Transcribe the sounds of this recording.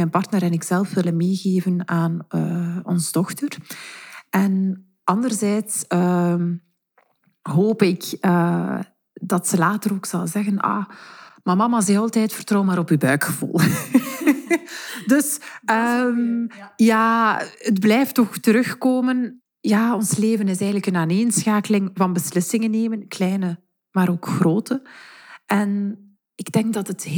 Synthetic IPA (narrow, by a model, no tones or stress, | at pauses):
ɛnpɑrtnəɾɛnɪksɛlˠfʋɪlənmeːɣeːvənaːnəːɔnzədɔxtər | ɛn | ʔɑndərzɛːtsəːm | ɦoːpɪkəː | dɑtsəlaːtəɾoːksɑlˠzɛɣənʔa̰mamɑmazɛɑlˠtɛːtfərtrɔːwmaːɾɔpyːbœːkxəvṵːlˠ | dɵsəmjaːədblɛjftɔxtəɾɵxkoːmən | jaːɔnsleːvənɪsɛːɣənləkənaːneːnsxaːkəlɪŋvɑnbəslɪsɪŋənːeːmənklɛjnə | maːɾoːkxroːtʰəʔɛn | ɪɡdɛŋɡ̚dɑtət